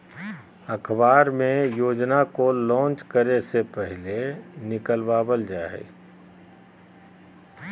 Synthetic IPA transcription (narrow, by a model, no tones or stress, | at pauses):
əkʰbaːɾmẽjoːd͡ʒnakolɔ̃ːnt͡ʃkəɾesepɛɦlenɪkəlbaːbəld͡ʒaːḛ